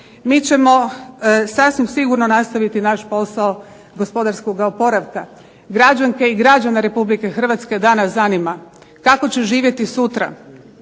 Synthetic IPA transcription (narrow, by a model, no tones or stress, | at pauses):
mit͡ɕe̞mo̞ | sasʋimsiɡuɾnonast̪aʋit̪inaʃpo̞sao̞ | ɡo̞spo̞d̪aɾsko̞ɡaopo̞ɾaʋka | ɡɾad͡ʒaŋke̞iɡɾad͡ʑanaɾe̞publike̞xr̩ʋat̪ske̞d̪aːnasanima | kako̞t͡ɕe̞ʒiːʋje̞t̪isut̪ɾa̰